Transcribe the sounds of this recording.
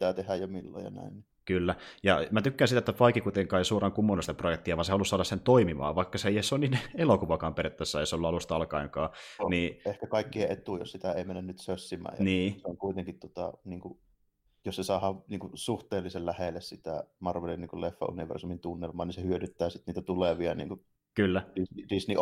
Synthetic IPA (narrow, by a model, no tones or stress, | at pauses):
pi̥t̪æːˑt̪ehæjjomilːo̰jɑ̰næ̰ˑinni | kylːæjɑmæt̪ykːænsit̪æˑet̪ːæpɑikːikuit̪eŋkɑːjsuorɑŋkumːonːusit̪æprojek̚t̪iɑʋɑnsehɑlusɑːlɑsent̪oimimɑ̰ːʋɑˑikːɑseiesːoninelokuʋɑkɑːmperet̪ːæsːɑjseolːuɑlust̪ɑlkɑiŋkɑːniːehkækɑˑikːieʔet̪ujo̰ssit̪æeˑimenːænnyt̪søsːimæ̰ːjniːseoŋkuit̪eŋkit̪t̪uot̪ɑ̰niːŋkuʔ | jossesɑˑːhɑʋniːŋkusuht̪eːlːisellæhelːessit̪æ̰mɑrʋelːinniːŋkulefːæ̰ṵniʋḛrsumint̪unːelmˑɑːnisehyøɾyt̪ːæːsit̪niːt̪æt̪uleʋiɑnḭːŋku | kylːærisnirisni